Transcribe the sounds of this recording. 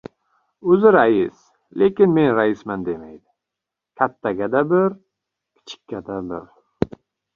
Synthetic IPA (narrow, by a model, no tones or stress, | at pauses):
ɵzɪɾaɪs | lʔe̞kʲɪnme̞nɾaɪsmand̪e̞majd̪ɪ | kʲʰat̪ʰːaɡʲad̪abɪɾ | kʲʰɪ̥t͡ʃʰɪ̥kʲːad̪abɪɾ